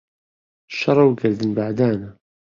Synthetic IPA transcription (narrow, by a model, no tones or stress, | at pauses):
ʃːɑɾˤːæwɡəɾd̪ənbaʕd̪ænæ